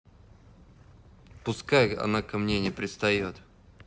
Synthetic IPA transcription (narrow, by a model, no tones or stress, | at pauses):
pʊskajɐ̰nakɐmnʲenʲɪjpɾʲɪt̪st̪ɐjot̪